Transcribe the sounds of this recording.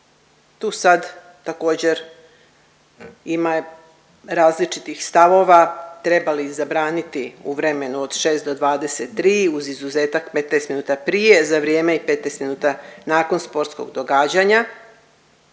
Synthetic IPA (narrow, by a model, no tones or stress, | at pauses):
t̪uːsad̪ | t̪ako̞ːd͡ʑe̞ɾ | ima | ɾaːzlit͡ʃit̪ixst̪aʋo̞ʋat̪ɾe̞balizabɾaːnit̪iuʋɾe̞me̞nuod̪̥ʃe̞ːst̪d̪o̞d̪ʋaːd̪e̞set̪ːɾiːuzizuzeːt̪akpet̪nejst̪minuːt̪apɾije̞zaʋɾijeːmeipet̪nejst̪minuːt̪anaːko̞nspo̞ɾt̪sko̞̰ɡd̪o̞ɡaːd͡ʑaɲa